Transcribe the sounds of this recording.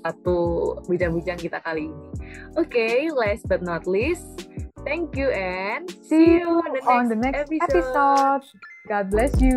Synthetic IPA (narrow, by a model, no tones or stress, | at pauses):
sat̪ubid͡ʒaŋbid͡ʒaŋkit̪akaliːniʔokelɛsbat̪̚nɔt̪list̪ɛ̃ŋkjuɛnsijuɔ̃ndəɔ̃nd̪ənɛkspiɛpisod̚ | ɡ̥ɔd̚blɛsju